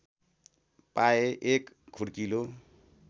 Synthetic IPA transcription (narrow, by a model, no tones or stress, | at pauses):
paeʔek | kʰuɽkilo